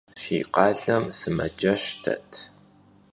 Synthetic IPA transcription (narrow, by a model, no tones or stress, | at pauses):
fiːqɑːɮɐmsɨmɐd͡ʒɐʃtʰɐ̰tʰ